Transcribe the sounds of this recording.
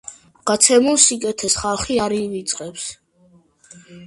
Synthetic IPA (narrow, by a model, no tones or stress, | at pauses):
ɡ̥at̪sʰɛmulˠsikʼɛt̪ʰɛsχalˠχiaɾivit̪sʼqʼɛps